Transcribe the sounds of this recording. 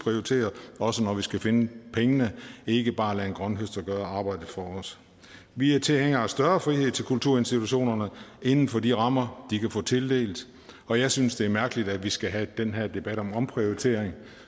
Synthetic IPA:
pʰʁioit͡sʰe̝̰ːɐʔɒ̽sənɒʋisɡ̥æfenəpʰeŋənəe̝ɡ̥əb̥ɑ̈ːlɛenɡ̥ʁɶnɦøsd̥ɐɡ̥ɶːɐɑ̈ːb̥ɑ̈ɪ̰d̥ðfɒ̽ɒs | ʋiæt͡sʰe̝lheŋ̰ɐæsd̥ɶɐfʁihe̝ð̞̰ˠt͡sʰelkʰult͡sʰuɐ̰e̝nsd̥it͡sʰuɕo̝̰ːnɐnəe̝nn̩fɒ̽diʁɑ̈m̰ɐd̥ikʰæfɔ̰̽ːt͡sʰe̝ld̥e̝̰ːld̥ | ɒ̽jɑ̈ɪsynsd̥e̝æɐmæɐɡ̥əlid̥æʋisɡ̥æɦæd̥enɦæɐd̥e̝b̥æɾ̥ɒ̽mɒ̽mpʰʁioit͡sʰe̝̰ɐ̰eŋ

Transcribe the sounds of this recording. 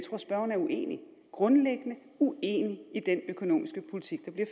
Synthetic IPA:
t͡sʰʁosb̥ɶɐn̩æɐuʔe̝̰ːni | ɡ̥ʁɔ̽nleɡ̥ənə | uḛniid̥enøkʰo̝no̝̰ːmisɡ̥əpʰolit͡sʰiɡ̥̚d̥ɑ̈b̥liɐf

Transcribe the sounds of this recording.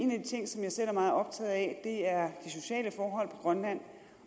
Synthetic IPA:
e̝ːnæd̥it͡sʰe̝ŋ̰sɒ̽mjɑ̈ɪsel̰æɐmɑ̈ːð̞̩ˠɒ̽b̥̚t͡sʰɛ̰ːð̩ˠɛd̥e̝æɐd̥iso̝ɕɛ̰ːləfɒːɦɒ̽l̰pʰɒ̽ɡ̥ʁɶnlæn̰

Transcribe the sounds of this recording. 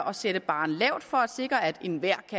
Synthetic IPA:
ʔɒ̽seɾ̥əb̥ɑ̈ːn̩lɛʊd̥fɒ̽æd̥se̝ɡ̥ʁɐæd̥e̝nʋæɐ̰kʰːæ

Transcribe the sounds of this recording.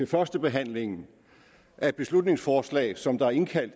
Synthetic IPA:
e̝fɶɐsd̥əb̥e̝ɦæn̰le̝ŋn̩ | ʔæɐe̝d̥̚b̥e̝slud̥ne̝ŋsfɒːslɛ̰ːɪsɒ̽md̥ɑ̈æɐe̝nkʰæl̰d̥

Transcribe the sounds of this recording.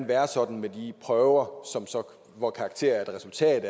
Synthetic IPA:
nʋæɐsɒ̽d̥n̩med̥ipʰʁœʊɐsɒ̽msɒ̽ | ʋɒkʰɑ̈ːɡ̥t͡sʰe̝̰ɐ̰ɐed̥ʁɛsult͡sʰɛ̰ː

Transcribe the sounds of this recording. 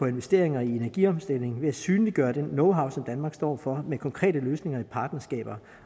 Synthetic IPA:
ɒ̽e̝nʋe̝sd̥e̝ɐe̝ŋɐie̝næɐɡ̥iɒmsd̥el̰e̝ŋ̩ʋe̝æsyːnliɡ̥ɶːɐd̥enːɔ̽ʊɦɑ̈ʊsɒ̽md̥ænmɑ̈ːɡ̥sd̥ɒ̰ːfɒ̽mekʰɒ̽ŋkʰʁɛ̰ːdəløːsne̝ŋɐipʰɑ̈ːd̥nɐsɡ̥ɛ̰ːb̥ɐ

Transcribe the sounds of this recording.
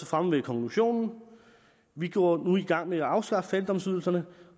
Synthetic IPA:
əfʁamʋekʰɒ̽ŋkʰluɕo̝̰ːnn̩ | ʋiɡ̥jɔ̰ːɐnuiɡ̥ɑ̈ŋ̰meæɑ̈ʊsɡ̥ɑ̈fəfædd̥ɒ̽msyðˠl̩sɐnə

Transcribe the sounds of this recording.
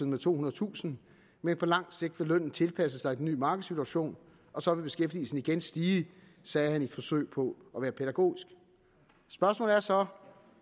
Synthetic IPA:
ð̩ˠmet͡sʰo̝̰ːhunɐð̩ˠt͡sʰṵːsn̩ | menpʰɒ̽lɑ̈ŋ̰d̥se̝ɡ̥̚d̥ʋelœn̰n̩t͡sʰe̝lpʰæsəsɑ̈ɪiden̩ːy̰ːmɑ̈ːɡ̥ð̩ˠsit͡sʰuæɕo̝̰ːn | ɒ̽sɒ̽ʋe̝b̥e̝sɡ̥efd̥ḭːsd̥eniɡ̥ensd̥iː | sɛːhænid̥fɒ̽sø̰ːɪpʰɒ̽ʔɒʋæːɐpʰeɾ̥æɡ̥o̝̰ːisɡ̥ | sb̥ɶɐsmɔ̰ːlæɐsɒ̽

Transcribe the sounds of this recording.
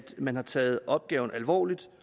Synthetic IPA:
d̥mænhɑ̈t͡sʰɛːð̞̩ˠʔɒ̽b̥̚ɡ̥ɛːʊn̩ʔælʋɒ̰ːlid̥

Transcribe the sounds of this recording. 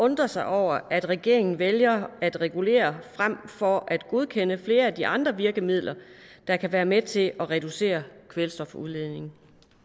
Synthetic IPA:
ɔ̽nd̥ʁɐsɑ̈ɪʔɒʊ̰ɐʔæd̥ʁɛɡ̥e̝ɐeŋn̩ʋeljɐæd̥ʁɛɡ̥ule̝̰ːɐfʁam̰fɒ̽ʔæd̥ɡ̥uð̞ˠkʰen̰əfle̝ːɐæd̥iʔɑ̈nd̥ʁɐʋiɐɡ̥əmið̰ˠlʔɐd̥ɑ̈kʰæʋæːɐmet͡sʰe̝lɒʁɛd̥use̝̰ːɐkʰʋelsd̥ɒ̽fɒuðˠle̝ðˠne̝ŋ̩

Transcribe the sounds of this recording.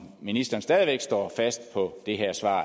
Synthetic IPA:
minisd̥ɐnsd̥ɛð̞ˠʋeɡ̥sd̥ɒ̰ːfæsd̥pʰɒ̽d̥e̝ɦeɐ̰sʋɑ̰̈ː

